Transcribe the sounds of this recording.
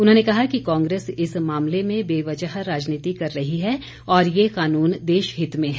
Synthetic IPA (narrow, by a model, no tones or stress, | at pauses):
ʊnɦõːnekɐɦakikãːŋɡɾeːsɪsmaːmlemẽbeːʋɐt͡ʃəɦɾaːd͡ʒniːt̪ikɐɾːɐɦiɦɛ | ɔːɾjeqaːnuːnd̪eːʃɦɪt̪mẽɦɛː